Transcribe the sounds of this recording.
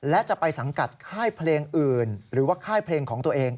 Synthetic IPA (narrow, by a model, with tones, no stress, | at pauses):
lɛ˦˥ʔt͡ɕa˨˩ʔpa˧jsa˩˦ŋka˨˩t̪̚kʰaː˥˩jpʰleː˧ŋʔɯː˨˩nɾɯː˩˦waː˥˩kʰaː˥˩jpʰleː˧ŋkʰɔː˩˦ŋt̪u˧ɐʔeː˧ŋ